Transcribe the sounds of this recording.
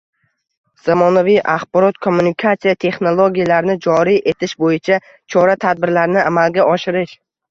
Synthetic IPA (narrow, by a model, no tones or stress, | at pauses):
z̥amɒnavijʔaχbɒɾɒt̪kʰomːunikʰat̪sijat̪ʰe̞χnolˠoɡʲijalaɾnɪd͡ʒɒɾijʔe̞t̪ʰɪʃbojɪt͡ʃʰa | t͡ʃʰɒɾat̪ʰad̪̚bɪɾlaɾnɪamalɡʲaɒʃɪɾɪʃ